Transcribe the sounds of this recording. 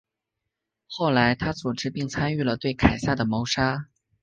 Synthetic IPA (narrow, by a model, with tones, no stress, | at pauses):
xo˥˩ʊla˧˥ɪt̪ʰa˥t͡su˨˩ʈ͡ʂɻ̩˥pi˥˩˧ŋt͡sʰa˥ny˥˩lə˩t̪we˥˩ɪkʰa˨˩ɪsa˥˩d̪ə˩mo˧˥ʊʂa˥